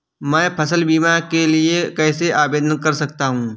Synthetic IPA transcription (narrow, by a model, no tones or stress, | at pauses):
mɛ̃ːpʰɐsəlbiːmaɾkeliekɛːseʔaːbeːd̪ənkɐɾsɐk̚t̪aɦũː